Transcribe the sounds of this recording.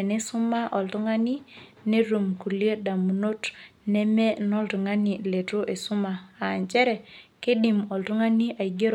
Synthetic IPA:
e˨ne˦su˦ma˦ʔɔ˨ltu˦ŋa˦ni˦ | ne˦ɾu˨mku˨lje˦da˨mu˨no˦tnɛ˦mɛ˦nɔ˦ltu˨ŋa˦ni˨le˨tu˦ʔe˨su˦maː˨ɲt͡ʃɛ˦ɾɛ˨ke˦ɗi˨mɔ˨ltu˦ŋa˦ni˦ʔa˨i˨ɡe˦ɾ

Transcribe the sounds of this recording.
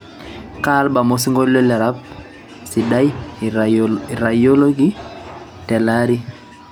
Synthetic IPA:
ka˦lba˨mo˦si˦ŋɡo˦llɔ˦lɛ˨ɾa˦p | si˨da˦j | ɾa˨jo˦lo˦ɡi˦ | tɛ˨la˦ɾi˦

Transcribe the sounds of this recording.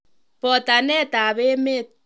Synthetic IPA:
pɔ˨ta˨nɛ˦˨ta˨be˦me˦˨t̚

